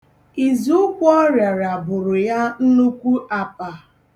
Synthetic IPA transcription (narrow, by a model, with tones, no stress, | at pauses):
i˨zu˦ʊ˦kʷɔ˦ɾja˨ɾa˨bʊ˨ɾʊ˨ja˦n̩˦nu˦kʷu˦ʔa˨pa˨